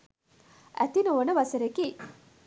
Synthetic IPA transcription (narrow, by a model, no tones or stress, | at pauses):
ʔæ̰t̪inoʋonəʋɐsɐɾeki